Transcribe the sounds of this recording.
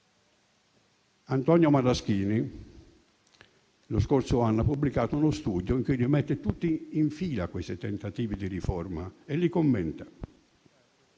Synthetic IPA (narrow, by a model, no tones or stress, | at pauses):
ant̪ɔnjomad̪ask̟iːni | loskort̪sʊanːapubːlikaːt̪ʊunost̪uːd̪joiŋkulimɛt̪ːet̪ut̪ːiːɱfiːlakwest̪ɪt̪ɛnt̪at̪iːvid̪irifɔrmaelikomːɛnt̪ḁ